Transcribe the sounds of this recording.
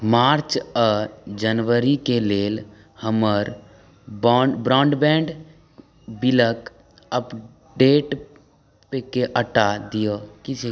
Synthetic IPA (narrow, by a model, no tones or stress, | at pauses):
maːɾt͡ʃəd͡ʒənʋəɾikeleːl | həməɾ | bbɾɔːɳɖbɛ̃ːɳɖ | bɪlək | əp | ɖeːʈ | pekeʔəʈad̪ijokit͡ʃe